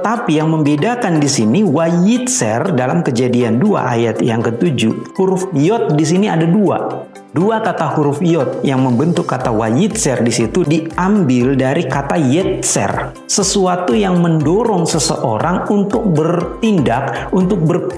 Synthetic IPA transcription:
ət̪apijaŋməmbedakandisiniwajit̪̚sɛ̰rdalamkəd͡ʒadiandua̰ʔajat̪jaŋkət̪ud͡ʒuhuɾʊfjɔt̪̚dis̬iniadadua̰ | duakat̪ahuɾʊfjɔt̪̚jaŋməmbənt̪ʊkːat̪awa̰jit̪̚sɛrdisit̪udiambɪldaɾikat̪ajɛt̪̚sɛ̰r | səsuat̪ujaŋməndoɾɔŋsəsə̰ʔo̰ɾaŋunt̪ʊk̚bərt̪indak̚unt̪ʊk̚bər

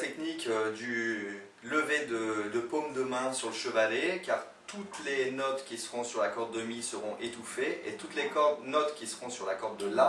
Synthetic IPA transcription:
t̪ɛknikød̪y | ləved̪əd̪əpomd̪əmɛ̃syʁləʃəvalekaʁ | t̪ut̪lenɔt̪kʲisəʁɔ̃syʁlakɔʁd̪̚ːəmisəʁɔ̃ʔet̪ufeḛt̪ut̪lekɔnɔt̪kʲisəʁɔ̃syʁlakɔʁd̪ːəlã

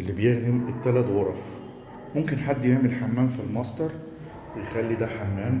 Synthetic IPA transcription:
ʔelːibejeɣnimet̪ːælæt̪wɑɾˤɑf | momkenħad̪ːjeʕmelħamːæːmfilmɑsˤd̪ɑɾˤ | wejexælːid̪æħamːæːm

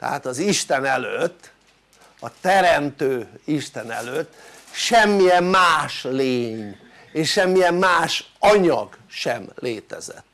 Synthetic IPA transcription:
t̪ɛ̰ɦa̰t̪ɒziʃt̪ɛnɛløt̪ː | ɒt̪ɛɾɛmt̪øːiʃt̪ɛnɛ̰løt̪ː | ʃɛmːijɛmːaːʃleːɲ | eːʃʃɛmːijɛmːaːʃɒɲɒ̰ɡʃɛmlʔeːt̪ɛ̰zɛ̰t̪ː

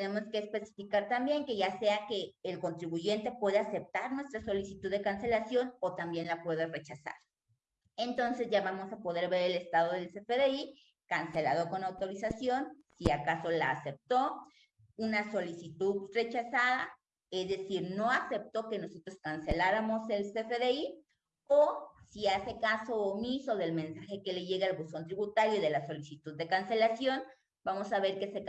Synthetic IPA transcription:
t̪ene̞mo̞skeːspe̞si̥fikaɾt̪ambje̞ŋke̞ʝase̞ake̞ːlko̞nt̪ɾiβuʝe̞nt̪e̞pwe̞ð̞ease̞p̚t̪aɾnwe̞st̪ɾaso̞lisit̪uðːe̞kanse̞lasjo̞not̪ambje̞nlapwe̞ðere̞t͡ʃasa̰ɾ | e̞nt̪o̞nse̞zʝaβamo̞sapo̞ð̞e̞ɾβe̞ɾe̞le̞st̪að̞o̞ðelsefeðei | kanse̞laðoko̞nawt̪o̞ɾisasjo̞nsiakaso̞la̰ːse̞p̚t̪o̞ | unaso̞lisit̪uðre̞t͡ʃasaða | ezðe̞siɾno̞ase̞p̚t̪o̞ke̞no̞so̞t̪ɾo̞skanse̞laɾamo̞se̞lsefeðei | osiase̞kaso̞ːmiso̞ðe̞lmẽ̞nsaxe̞ke̞le̞ʝe̞ɣealβusont̪ɾiβut̪aɾjoðe̞laso̞lisit̪uðːe̞kanse̞lasjo̞n | b̥amo̞saβe̞ɾkese

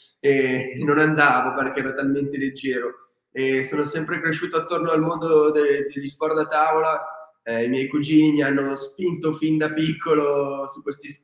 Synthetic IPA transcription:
enːonand̪aːvoperkeɛːɾat̪alment̪eled͡ʒːɛːɾo | esːoːnosɛmpɾekɾeʃːuːt̪oat̪ːornoalmond̪od̪ed̪elːispɔɾd̪at̪aːvola | imjɛjkud͡ʒiːnimianːospint̪ofind̪apikʰːolosukːwest̪is

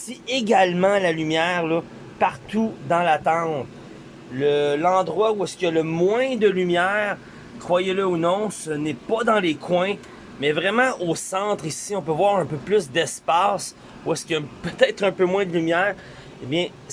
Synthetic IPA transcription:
sieɡʲalmɑ̃lalymjɛːʁlɔ | paʁt̪ud̪ɑ̃lat̪ɑ̃ːt̪ | ləlɑ̃d̪ʁwauɛskʲjaləmwɛ̃d̪əlymjɛːʁ | kχwajeləunɔ̃sənɛpʌd̪ɑ̃lekʰwɛ̃ | mɛvʁɛmɑ̃ʔosɑ̃t̪χisiɔ̃pøvwaːʁɛ̃pøplysd̪ɛspaːs | uɛskʲijʌpøt̪ɛːt̪χœ̃pømwɛ̃d̪lymjɛːʁ | ebjɛ̃

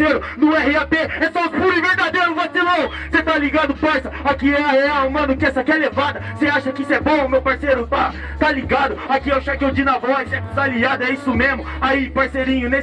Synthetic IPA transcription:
ejɾʊ | nʊɛhɪapeɛsɔspuɾiveɾd̪ad̪ejɾʊvasilɐ̃w̃ | set̪aliɡad̪ʊpaɾsɐakiɛaheamɐ̃nʊkɪɛsɐkɪɛlevad̪ɐseaʃɐkɪisʊɛbõʊmewpaɾsejɾʊt̪a | t̪aliɡad̪ʊakiɛw̃ʃakewd͡ʒinavɔisɛkuzaliad̪ʊɛisʊmezmʊ | aipaɾseɾĩɲʊne

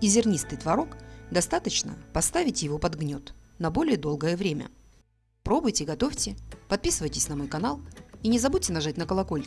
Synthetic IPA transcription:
dʲɪzʲɪrnʲist̪ɨjt̪vɐɾo̞kd̪ɐst̪at̪ət͡ɕnə̰pɐst̪avʲɪtʲjɪvo̞pɐd̪ɡnʲo̞t̪nɐbo̞lʲɪjəd̪o̞lˠɡəjəvɾʲemʲə̰ | pɾo̞bʊjtʲɪɡɐt̪ofʲtʲɪpɐt̪̚pʲisɨvəjtʲɪ̥sʲnɐmo̞jkɐnalˠinʲɪzɐbutʲɪnɐʐatʲnəkəlˠɐko̞lʲ

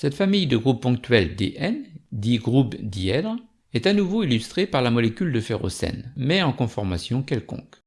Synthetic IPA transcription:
sɛt̪famijd̪əɡʁupːɔ̃k̚t̪ɥɛld̪ḛʔɛnd̪iɡʁupd̪iɛd̪ʁ | ɛt̪anuvoilyst̪χepaʁlamɔlekʲyld̪əfɛʁo̰sɛ̰nmɛɑ̃kɔ̃fɔʁma̰sjɔ̃kɛlkɔ̰̃k

